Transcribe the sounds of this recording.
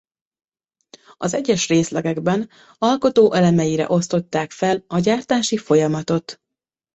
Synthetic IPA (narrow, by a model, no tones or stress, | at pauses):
ɒzɛɟːɛʃreːslɛɡɛɡbɛn | ɒlko̞t̪oːʔɛlɛmɛjiɾɛ̰ʔo̞st̪o̞t̪ːaːkfɛlɒɟaːrt̪aːʃifo̞jɒmɒt̪o̞t̪